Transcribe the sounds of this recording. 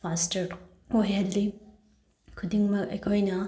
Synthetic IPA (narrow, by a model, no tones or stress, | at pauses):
fastɐɾ | ojɐlːi | kʰudiŋmɐkɐ̰kʰojnɐ